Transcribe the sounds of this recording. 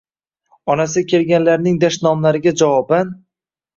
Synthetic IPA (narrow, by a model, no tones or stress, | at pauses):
ɒnasɪkʲʰe̞lɡʲanlaɾnɪŋd̪aʃnɒmlaɾɪɡʲad͡ʒavɒban